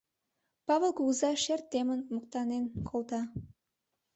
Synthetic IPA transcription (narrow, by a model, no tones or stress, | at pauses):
pɑβəlˠkuzɑʃert̪ːemənmək̚t̪ɑnenkʰolt̪ɑ